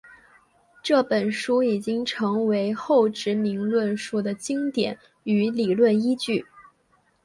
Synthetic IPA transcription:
ʈ͡ʂɤ˥˩pə˨˩nʂu˥i˨˩t͡ɕi˥ŋʈ͡ʂʰɤ˧˥ŋwe˧˥ɪxo˥˩ʊʈ͡ʂɻ̩˧˥mi˧˥ŋlwə˥˩nʂu˥d̪ə˨t͡ɕi˥ŋt̪jɛ˨˩˦n | y˧˥li˨˩lwə˥˩ni˥t͡ɕy˥˩

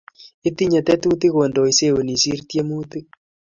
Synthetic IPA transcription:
i˦ti˦ɲa˨tɛ˦tu˦ti˦ɣo˨ndɔ˨i˨se˦˨o˨ni˨si˦ɾtje˦mu˦tɨ˦

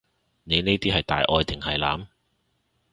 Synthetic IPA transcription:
ne˨˧jneː˥t̪iː˥hɐ˨jt̪a̰ː˨jʔɔː˧jt̪ɪ˨ŋhɐ˨jla̰ː˨˧˥m

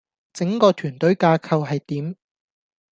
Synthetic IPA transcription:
t͡sɪ˨˥ŋkɔː˧t̪ʰyː˨˩nt̪ɵ˨˥ɥkaː˧kʰɐ˧wɦɐ˨jt̪iː˨˥m

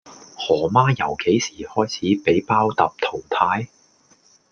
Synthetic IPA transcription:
hɔː˨˩maː˥jɐ˨˩wke˨˥jsiː˨˩hɔː˥jt͡sʰiː˨˥pe˨˥jpaː˥wt̪ɐ˨p̚t̪ʰo˨˩wt̪ʰaː˨˥j

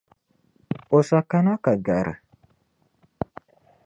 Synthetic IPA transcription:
o˨sa˨ka˦na˦ka˨ɡa˨ɾə̰˨

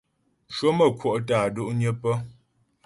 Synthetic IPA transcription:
ʃwo˦mə˨kʰwo˦˨ʔtaː˨do˦ʔɲə˦pə˦

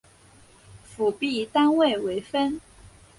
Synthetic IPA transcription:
fu˨˩pi˥˨t̪a˦nwe˥˨ɪwe˧˥ɪfə˦n

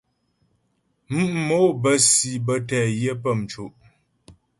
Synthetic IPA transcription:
m̩˦ʔ̩˦mo˨˦bə˦si˨bə˦tɛː˨jjə˦p̬ə˦˨m˨t͡ʃo˨ʔ

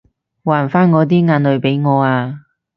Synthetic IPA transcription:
waː˨˩nfaː˥nŋɔː˨˧t̪̬iː˥ŋaː˨˧nlɵ˨˧ɥpe˨˥jŋɔː˨˧aː˧

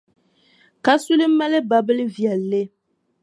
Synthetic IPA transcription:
ka˦su˦lɨ˦m˦ma˦lɨ˦ba˨bɨ˦lɨ˦vjɛ˨lːɨ˦

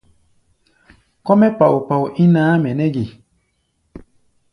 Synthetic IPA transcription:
kɔ˦mɛ˦pa˨u˨pa˨u˨ʔi˦nãː˨˦mɛ˨nɛ˦ɡi˨

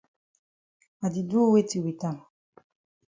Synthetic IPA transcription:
a˨di˨du˦we˦ti˨wi˨ta˦˨m˨

